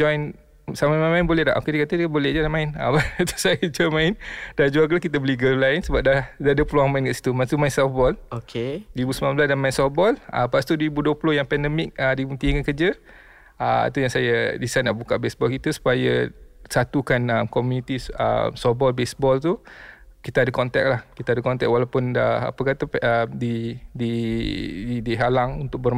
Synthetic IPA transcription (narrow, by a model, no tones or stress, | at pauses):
d͡ʒɔjn | samamamaɪnbolɛhda̰ʔokedikat̪əbolɛd͡ʒadamaɪnəmt̪u̥sajəd͡ʒɔmãɪnd̥ad͡ʒualkəlakit̪əbəliɡəlajnsəbap̚dadadəpluaŋmaɪnkaʔsi̥t̪umansumaɪnsɛfbɔlokʰeiibusmilãmbəlasdanmaɪnsɔbɔlə̰paʔst̪uduibuduəplojaŋpɛndəmɪk̚ədimunt̪iŋkankəd͡ʒə | əa̰t̪ujaŋsajadisanaʔbukaʔbesbɔlkit̪əsu̥pajasat̪ukanəmkɔmunit̪iə̰msɔbɔlbesbɔlt̪ukit̪aadəkɔnt̪ɛ̰k̚lahkit̪aadəkɔnt̪ɛk̚walapʊnəa̰pəkat̪aəmdidi | didiɦalaŋunt̪ʊʔ̚bərm